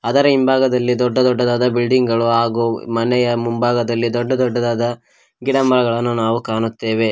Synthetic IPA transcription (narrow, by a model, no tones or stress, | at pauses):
ɐd̪ɐɾɐimbʱaːɡɐd̪ɐlːid̪ɔɖːɐd̪ɔɖːɐd̪aːd̪ɐbilɖiŋɡɐɭuɦaːɡumɐnɛjɐmumbaːɡɐd̪ɐlːid̪ɔɖːɐd̪ɔɖːɐd̪aːd̪ɐ | ɡiɽɐmːɐlɐɡɐɭɐnːunaːʋukaːnut̪ːe̞ːʋe̞